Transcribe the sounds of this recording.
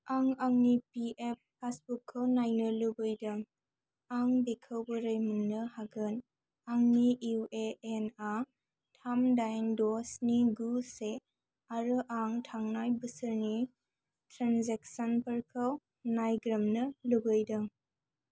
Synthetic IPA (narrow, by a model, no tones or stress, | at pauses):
aŋaŋnipiʔep̚ːasbukʰːəwnajnəlubɯjdɐ | aŋbekʰəwbɯɾəjmunːɯhaɡɯn | aŋniʔiweːna | tʰamdajndɔsniɡuse | aɾɯʔaŋtʰaŋnajbɯsɯɾni | tɾanzeksanpɐɾkʰəw | najɡɾɐmnɐluɡɯjdɐ